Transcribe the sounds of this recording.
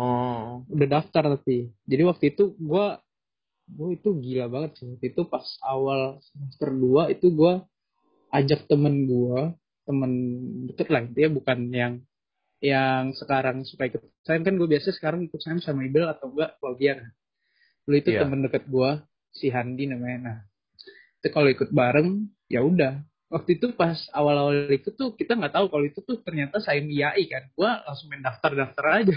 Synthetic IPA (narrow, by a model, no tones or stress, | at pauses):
ɔudahdaft̪art̪apid͡ʒadiwak̚t̪uit̪uɡua | ɡuait̪uɡilabaŋət̪̚sɪwak̚t̪uit̪upasawalsəməst̪ərduait̪uɡua | ad͡ʒak̚t̪əmənɡua | t̪əməndəkət̪̚lahit̪ujabukanjaŋ | jaŋsəkaɾaŋsukaikʊt̪̚sajəmkanɡuabiasasə̥kaɾaŋikʊt̪̚sajamsamaibɪlat̪awŋɡuaklaɡiakan | loit̪ut̪əməndəkət̪̚ɡua | siɦandinəmanah | t̪ukaloikʊt̪̚baɾəŋ | jʔaudah | wak̚t̪uit̪upasawalawallik̪ut̪ʊhkit̪aŋɡaʔt̪aukaloit̪ut̪ʊht̪ərɲat̪asajəmijaʔikanɡualaŋsʊŋmɛndaft̪ardaft̪aɾad͡ʒa